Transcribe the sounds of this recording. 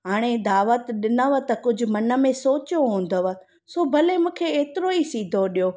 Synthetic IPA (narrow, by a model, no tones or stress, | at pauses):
ɦaːɽ̃ed̪aːʋət̪ɗɪnəʋət̪kʊd͡ʑʱʊ̆mɐnə̆mẽsoːt͡ɕjoɦũːn̆d̪əʋə | soːbʱɐlemũːkʰeeːt̪ɪɾoisiːd̪ʱoɗijoː